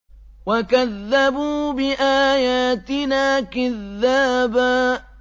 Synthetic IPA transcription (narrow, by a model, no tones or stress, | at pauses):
wakaðːabuːbɪʔaːjaːt̪ɪnaːkaðːaːbaː